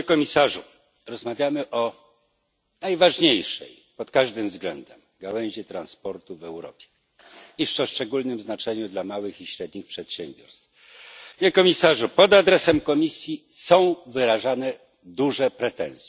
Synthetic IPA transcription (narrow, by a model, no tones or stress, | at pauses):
kɔmʲisaʐu | ɾɔzmavʲjamɘʔɔ | najvaʐɲejʂɛ̰j | pɔt̪kaʐd̪ɘmvzɡlɛnd̪ɛm | ɡawɛw̃ʑɛt̪ɾanspɔɾt̪uvɛwɾɔpʲjɛ̥ | iʂt͡ʂɔʂt͡ʂɛɡulnɘmznat͡ʂɛɲud̪lamawɘxiɕɾɛd̪ɲixpʂɛt̪ɕembʲjɔ̰ɾst̪f | ɲɛkɔmʲisaʐupɔd̪ad̪ɾɛsɛmkɔmʲisʲjisɔ̃w̃vɘɾaʐanɛ | d̪uʐɛpɾɛt̪ɛ̰̃w̃sʲɛ̥